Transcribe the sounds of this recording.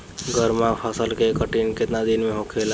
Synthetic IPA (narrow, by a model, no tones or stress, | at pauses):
ɡəɾmãpʰəsəlkekəʈinket̪nad̪inmeɦokʰel